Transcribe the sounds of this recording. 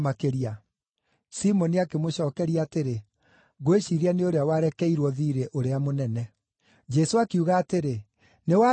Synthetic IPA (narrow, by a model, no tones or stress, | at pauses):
makeɾia | simɔniakemoɕɔːkɛɾiaːteɾe | ɣoeɕiɾianeoɾeawaɾɛkɛiɾwɔðiɾeʔoɾeamonɛnɛ | d͡ʒɛsoakiuɣaːteɾe | newa